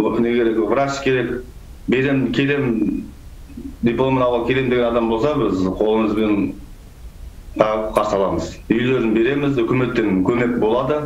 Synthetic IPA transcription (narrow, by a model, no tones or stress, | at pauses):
nekʲe̞ɾekʲvɾaskʲʰe̞ɾe̞k | be̞ɾemkʲʰe̞ɾe̞m | d̪ʲiplˠomenɑwʁɑkʲʰe̞le̞md̪e̞ɡʲeɑd̪ɑmbo̞lˠsɑbɪzqʰo̞lˠəməzben | qʰɑʁəpqʰɑɾsəɑlˠɑməzʏjleɾɪnbe̞ɾe̞mɪzʏkʲɪme̞t̪ːenkʲʰɵme̞k̚bo̞lˠɑd̪ə